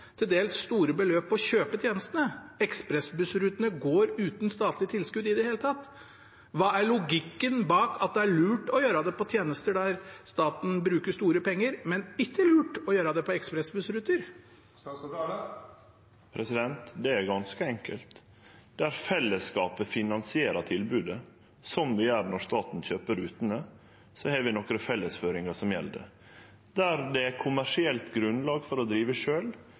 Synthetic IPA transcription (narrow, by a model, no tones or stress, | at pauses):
t̪ʰɪld̪eːlsːt̪uːɾəbəløːpːɔçøːpət̪ʰjeːnəst̪ənəɛkspɾɛsbʉsɾʉt̪ənəɡoːɾʉːt̪nst̪ɑːt̪ʰlɪt̪ʰɪlskʉd̪ɪd̪ɛheːlət̪ʰɑt̪ː | ʋɑːæɭʊɡɪkːənbɑːkʰɑt̪̚d̪ɛæɭʉːʈɔjøːɾɑd̪ɛpɔt̪ʰjeːnəst̪əɖæɾst̪ɑːt̪n̩bɾʉːkəʂt̪uːɾəpʰɛŋːəɾmɛnɪkːəlʉːʈɔjøːɾɑd̪ɛpʰɔɛkspɾɛsbʉsɾʉt̪əɾ | pʰɾɛsɪd̪ɛnt̪d̪ɛæɾɡɑnskəɛŋkəlt̪ | d̪æɾfɛlːəskɑːpəfɪnɑnsɪeːɾɑt̪ʰɪlbʉːd̪ə | sɔmʋɪæːɾnɔɾʂt̪ɑːt̪n̩çøːpəɾʉːt̪ənə | sɔhɛːʋɪnɔkɾəfɛlːəsføːɾɪŋɑʂɔmjɛ̰ld̪ɛ̰ | d̪æɾd̪ɛækʰʊmæʂɪɛlt̪ɡɾʉnlɑːɡfɔɾɔd̪ɾiːʋəʂøːl